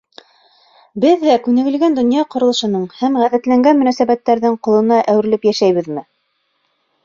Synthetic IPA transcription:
bɘðːækʉnɘ̆ɡɘ̆lɡænd̪ŏnjɑqŏɾɤ̆lˠɤ̆ʃɤ̆nɤɴhæmʁæðæt̪læŋɡænmɵ̆næsæβæt̪ːæɾðɘɴqŏlˠɤ̆nɑʔæwɘ̆ɾɘ̆lɘpjæʃæjβɘðmɘ

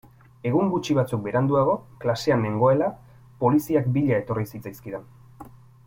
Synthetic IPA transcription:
e̞ɣ̞uŋɡut͡ʃiβ̞at͡suk̚be̞ɾand̪uaɣ̞o̞klase̞ane̞ŋɡo̞e̞la | po̞lisiak̚biʎae̞t̪o̞risit͡sajskiɾen

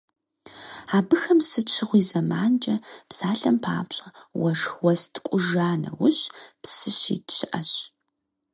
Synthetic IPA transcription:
aːbɨxɐmsɨt͡ʃʰɪʁʷiːzɐmaːnd͡ʒʼɐpsaːɬɐmpʰa̰ːpɕʼɐwɐʂxwɐstʰkʷʼʊʒaːnɐ̰wʊɕpsɨɕḭːtɕʰɪʔɐɕ

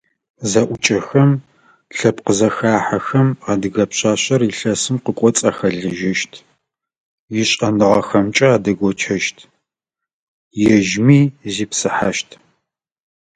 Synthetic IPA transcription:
zɐʔʷʊt͡ʃʼɐxɐm | ɬɐpqəzɐxaːħaxɐmaːdɨɣɐpɕaːɕɐriɬɐsɨmqəkʷʼɔt͡sʼaːxɐɮɨʒɐʃtʰ | jɪɕʼɐnɨʁɐxɐmt͡ʃʼɐaːdɐɡʷɔt͡ʃʰɐʃtʰ | jɛʒmiːziːpsɨħaʃtʰ

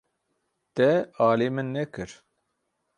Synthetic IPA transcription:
t̪ɛaːlemɨnːɛkɨɾ

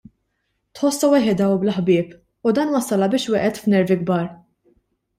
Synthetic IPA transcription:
t̪ħɔsːɐwɪħɪd̪ɐwblɐħbɪːp | ud̪ɐːnwɐsːɐlɐbɪːʃwɛʔɛt̪fnɛɾviɡbɐːɾ

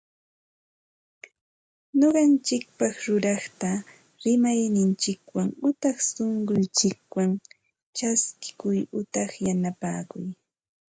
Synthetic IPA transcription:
ɲoɢɑnt͡ʃɪk̚pɑχɾʊɾɑχt̪a | ɾɪmajnɪnt͡ʃɪkwaŋʊt̪ɑχsoɴɢʊnt͡ʃɪk̚waŋ | t͡ʃaskɪ̥kʊjʊt̪ɑχjanapaːkʊj

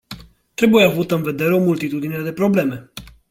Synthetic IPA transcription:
t̪ɾe̞bujeavut̪əɨnve̞d̪e̞ɾeo̞mult̪it̪ud̪ineed̪e̞pɾo̞ble̞me̞

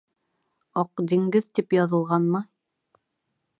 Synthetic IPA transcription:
ɑqd̪iŋɡɘðt̪ipjɑðɤ̆lˠʁɑnmɤ

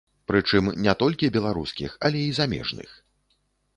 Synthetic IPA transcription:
pɾɨt͡ʂɨmnʲɛt̪ɔlʲkʲibʲɛlˠaɾṵskʲḭxɐlʲɛizamʲɛ̰ʐnɨ̰x

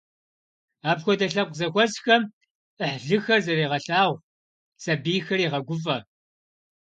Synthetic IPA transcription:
aːpxʷɔdɐɬɐp̚qzɐxʷɔzxɐm | əħɮɨxɐrzɐreːʁɐɬaːʁʷ | sɐbiːxɐriːʁɐɡʷʊfʼɐ

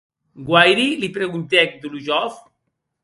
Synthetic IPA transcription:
ɡwajɾilipɾeɣunt̪ɛk̚d̪uluʒɔf

